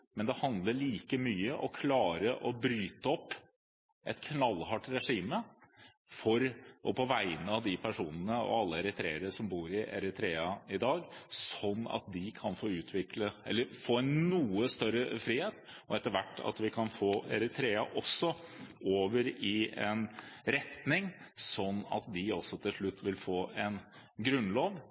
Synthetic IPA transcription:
mɛnd̪ɛhɑnd̪ləɭiːkəmyːəʔɔkʰlɑːɾəʔɔbɾyːt̪əɔpː | ʔɛt̪kʰnɑlːhɑʈːɾɛʂiːmə | fɔɾɔpʰɔʋæɪnəɑʋd̪ɪpʰæʂuːnənəɔ̰ɑlːəɛɾət̪ʰɾḛːəɾəʂɔmbuːɾɪʔæ̰ɾət̪ʰɾeːɑɪd̪ɑːɡsɔnːɑ̰t̪̚d̪ɪkʰɑnfoːʉːt̪ʰʋɪkləɛ̰lːəɾfoːænnuːəst̪œɾəfɾiːheːt̪ʔɔɛt̪ːəʋæʈːɑ̰t̪ʋɪkʰɑnfoːɛ̰ɾət̪ʰɾeːɑ̰ʔɔsːɔoːʋəɾɪɛ̰nɾɛt̪nɪŋsɔnːɑ̰t̪̚d̪ɪɔsːɔt̪ʰɪlʂɭʉt̪ʰːʋɪlfoːɛn | ɡɾʉnːloːʋ

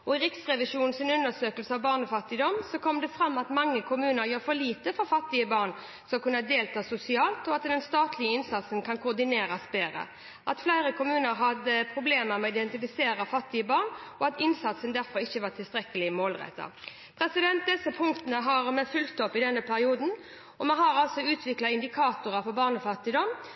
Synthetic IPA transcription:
ɔɪɾɪksʁɛʋɪʂuːnn̩sɪnʉnəsøːkəlsəɑʋbɑːʁnəfɑt̪ːɪd̪ɔmsɔkʰɔmd̪ɛfɾɑmːɑt̪mɑŋːəkʰʊmʉːnəɾjøːfɔliːt̪əfɔɾfɑt̪ːɪəbɑʁn | skɑlkʰʉnːɑd̪eːlt̪ʰɑːsʊsɪɑːlt̪ɔɑt̪d̪ɛnst̪ɑːt̪ʰlɪəɪnsɑt̪sənkʰɑnkʰʊd̪ɪneːɾɑsbeːɾə̰ | ʔɑt̪flæɪɾəkʰʊmʉːnəɾɦɑd̪əpʰɾʊbleːməɾmɛːɪd̪ɛnt̪ɪfɪseːɾɑfɑt̪ːɪəbɑːʁnɔɑt̪ɪnsɑt̪sənd̪æɾfɔɾɪçːəʋɑːt̪ʰɪlst̪ɾɛkːəlɪmoːlʁɛ̰t̪ːɑ̰ | pʰɾɛsɪd̪ɛnt̪̚d̪ɛsːəpʰʊŋkt̪ənəɦɑɾmɛfʉlkt̪ɔpːɪd̪ɛnːəpʰæɾɪuːd̪n̩ | ɔmɛɦɑɾɑlsɔʉːt̪ʰʋɪklɑɪnd̪ɪkʰɑːt̪ʊɾəfɔbɑːʁnɔfɑt̪ːɪd̪ɔm

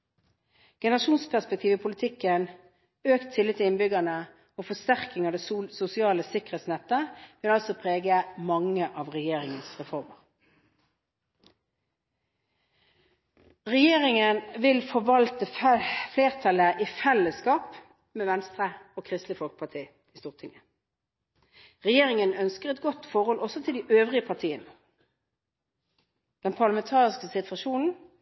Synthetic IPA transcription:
ɡ̥ɛnəʁɑʃuːnspʰæʁspɛk̚t̪ʰiːʋɪpʰʊlɪt̪ʰɪkən | øːkt̪ʰːɪlɪt̪ʰːɪɪnbʏɡɑnə | oːfɔst̪æʁkɪŋɑːd̪ɛːsʊsɪɑːləsɪkəʁet̪snɛt̪ːəʋɪlɑlsɔpʰʁeːɡəmɑŋəʔɑːʋʁɛjeːʁɪŋənsʁɛfɔʁməʁ | ʁɛjeːʁɪŋənʋɪlfɔʋɑlt̪əfleːʁt̪ʰɑləʔiːfɛləskɑːp | meːʋɛnst̪ʁəoːkʰʁɪst̪lɪfɔlkə̥pʰɑt̪ʰiː | ɪst̪uːʁt̪ʰɪŋə | ʁɛjeːʁɪŋənœnskəʁɛt̪ɡɔt̪fɔʁhɔlʔɔsɔt̪ʰɪld̪iːʔøːʋʁɪəpʰɑʁt̪ʰiːən | d̪̥ɛnpʰɑʁlɑmɛnt̪ʰɑːʁɪskəsɪt̪ʋɑʃuːnn̩

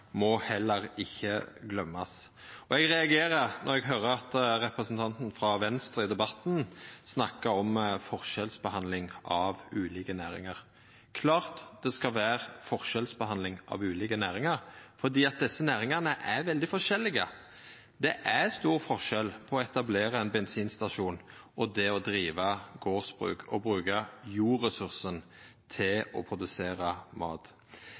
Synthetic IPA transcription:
mɔhɛlːəɾɪçːəɡlœmːɑs | ɔɛɡɾɛɑɡeːɾəɾnʔɔɾɛɡɦøːɾəɑt̪ɾɛpɾəsnt̪ʰɑnt̪n̩fɾɑʋɛnst̪ɾɪd̪ɛbɑt̪nsnɑkːəɾɔmfɔʁʃɛlsbəhɑnd̪lɪŋʔɑʋʉːliːkənæːɾɪ̰ŋɑɾ | kʰlɑːʁt̪d̪̥ɛskɑʋæːɾfɔʁʃɛlsbəhɑnlɪŋʔɑ̰ʋʉːliːkənæːɾɪŋɑʁfɔd̪iːɑt̪̚d̪ɛsːənæːʁɪŋɑʁnəʔæʋɛld̪ɪfɔʁʂɛlːɪɡə | d̪ɛʔæst̪uːʁfɔʁʃɛlpʰɔɔɛt̪ɑbleːʁəɛnbɛnsiːnst̪ɑʃuːn | ɔd̪ɛɔd̪ɾiːʋɑɡoːʁsb̥ʁʉ̰ːkʰɔ̰bʁʉːɡəjuːɾəsʉʁsənt̪ʰɪlɔpʰʁʊd̪ʉseːʁɑmɑ̰ːt̪

